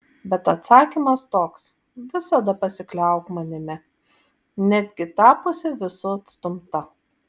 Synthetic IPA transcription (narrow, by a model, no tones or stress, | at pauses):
bʲɛt̪ɐt̪sɑːkʲiˑmɐst̪oːks | ʋʲɪsɐd̪ɐpɐsʲɪklʲɛˑʊkmɐnʲɪmʲɛ | nʲæd̪ʲɡʲɪt̪ɑːpoːsʲɪʋʲɪsʊɐt̪st̪ʊmt̪ɐ